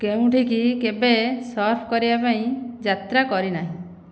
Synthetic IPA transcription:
keũʈʰikikebesɔɾpʰɔkɔɾibapaĩd͡ʒat̪ɾakɔɾinaɦĩ

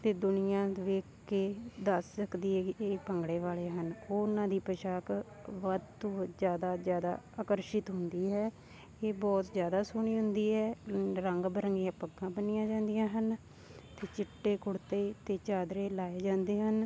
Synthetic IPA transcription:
t̪eːd̪ʊnɪjãːʋeːkː | eːd̪əssəkd̪iːɦɛːeːpəŋɡɽeːʋaːleːɦənoːʊnãːd̪iːpəʃaːk | ʋəd̪t̪õːzjaːd̪aːzjaːd̪a̰ːaːkəɾʃɪt̪ɦʊnd̪iːɦɛː | eːbɔːt̪zjaːd̪aːsʊɳiːɦʊnd̪iːɦɛːɾəŋɡbəɾəŋɡjãːpəɡãːbənɪjãːd͡ʒãːnd̪ɪjãːɦən | t̪eːt͡ʃɪʈːeːkʊɽt̪eːt̪eːt͡ʃaːd̪ɾeːlaːeːd͡ʒãːnd̪eːɦən

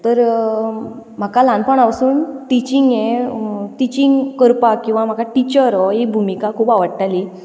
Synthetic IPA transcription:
t̪əɾ | m̤akalãnpəɳaʋsuːnʈit͡ɕiŋɡjeʈit͡ɕiŋɡkəɾpakĩw̃ʋam̤akaʈit͡ɕəɾɔekbʱumikakʰuːpaʋəɽʈali

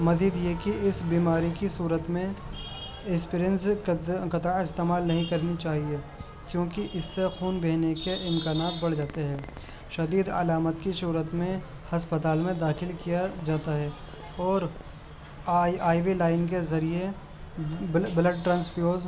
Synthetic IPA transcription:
mɐziːd̪jekiʔɪsbiːmaːɾikisuːɾət̪mẽ | ɪspiɾijənskɐt̪aɪst̪eːmaːlnɐɦĩkɐɾnit͡ʃaːɦie | kjõːkiʔɪsːexuːnbeːnekeʔɪmkaːnaːt̪̚bɐɽ̤d͡ʒaːt̪eɦɛː | ʃɐd̪iːd̪ɐ̰laːmət̪kisuːɾət̪mẽ | hɐspət̪̬aːlmẽd̪aːxɪlkijad͡ʒaːt̪aɦɛː | ɔːɾ | aːɪʋilaːɪnk̬ezɐɾie | bləɖ̚ʈɾə̃ːnsfjoːz

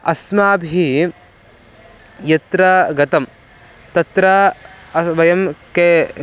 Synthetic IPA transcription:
ɐ̰smaːbʱi | jɐt̪ɾɐɡɐt̪ɐm | t̪ɐt̪ɾɐ | ʋɐjɐmke

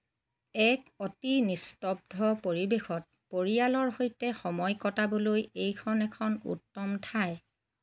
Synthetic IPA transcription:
ɛkotinistɔb̚dʱɔpoɹibexʰɔt̚ | poɹialɔɹɦojtɛxɔmɔjkɔtabolojejkʰɔnɛkʰɔnṵtːɔmtʰaj

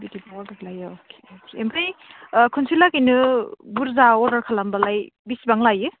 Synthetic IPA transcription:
bitibaɔbalajɔokʰe̥okʰeembɾijkʰɯnsilakinɯbuɾzaɔɾdaɾkʰalambalajbisibaŋlajɯ

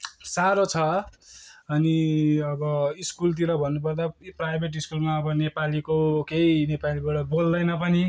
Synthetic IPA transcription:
saɾot͡sʰʌ | ʌniʌbʌiskult̪̬iɾʌbʱʌnːupʌrd̪aprajbʱeʈ̬iskulmaʌbʌnepalikokeinepalibaɽʌbold̪ʌjnʌpʌni

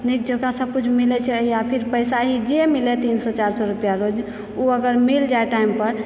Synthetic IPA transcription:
nik̚d͡ʒokasəb̚kut͡ʃʰmilɛt͡ʃʰɛəiapʰiɾpəjsaɦid͡ʒemilɛt̪insɔt͡ʃaɾsɔɾupjaɾod͡ʒ | uəɡəɾmild͡ʒaeʈaimpəɾ

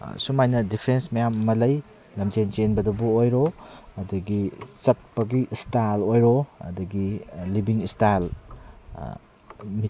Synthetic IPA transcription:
sumajnɐdipʰɾensmɐjamːɐlɐj | lɐmd͡ʒent͡ʃenbɐdɐbuojɾoɐdɐɡisɐt̚pɐɡistalojɾoɐ̰dɐɡilibiŋistal̰ | mit

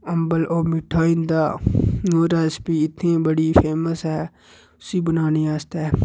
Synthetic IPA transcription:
əmbəloːmɪʈʰːaːind̪aːnoːɾaːspiːɪt̪nẽːbəɽiːpʰeːməsɦɛː | ʊsiːbənaːniːaːst̪ɛː

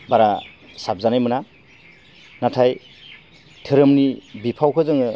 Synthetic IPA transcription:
baɾa | sap̚zanajmɯna | natʰaj | tʰɯɾɯmnibipʰawkʰɯzɯŋɯ

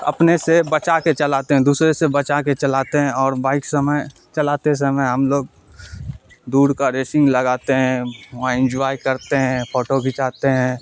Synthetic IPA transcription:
ɐ̰pnesebət͡ʃaket͡ʃɐlaːt̪eɦɛ̃d̪uːsɾesebət͡ʃaket͡ʃɐlaːt̪eɦɛ̃ɔːɾbaːɪksəməj | t͡ʃɐlaːt̪es̬əməjɦɐmloːɡ̚ | d̪uːɽkaɾeːsɪ̃ŋɡləɡaːt̪eɦɛ̃ʋãɪ̃nd͡ʒʋaːjkɐɾt̪eɦɛ̃pʰoːʈoɡʱɪt͡ʃaːt̪eɦɛ̃ː

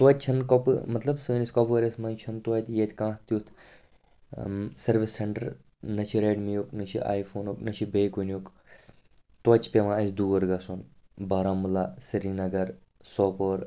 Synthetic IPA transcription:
t̪wɐt̪̚ʲt͡ʃʰɐnkopɨmɐt̪lɐbsɨːnisʲkopːɾesmɐnt͡ʃʰɐnt̪wɐt̪ʲjeːt̪ʲkãːht̪jut̪ʰ | sɐɾʋisːeɳʈɐɾ | nɐt͡ʃʰiɾeːʈmijoːknɐt͡ʃʰiʔa̰ːjfʰoːnuknɐt͡ʃʰibeːjkunjuk | t̪ɐt͡ʃʰpemãːɐsd̪uːʋɐɾɡɐsun | bɐːɾaːmulaːsiɾinɐɡɐɾ | soːpoːɾ

